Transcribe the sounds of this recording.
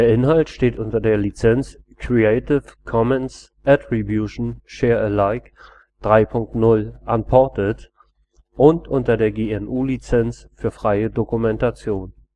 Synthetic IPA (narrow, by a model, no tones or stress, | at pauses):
d̥eːɐʔɪnhaltʃteːtʔʊntɐdeːɐlit͡sɛnt͡skʁ̥ieɪtɪfkʰɔmɛns | ʔɛtʁibjuʃn̩ʃɛːɐəlaɪk | d̥ʁaɪpʰʊŋk̚tnʊlʔanpʰɔɐtət | ʔʊntʔʊntɐdeːɐɡeːɛnʔuːlit͡sɛnsfyːɐfʁ̥aɪədokumɛntat͡sjoːn